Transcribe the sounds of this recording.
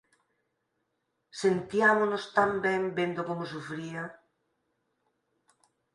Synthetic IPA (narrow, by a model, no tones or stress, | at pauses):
sent̪iamonost̪ambɛ̃mbend̪okomosufɾia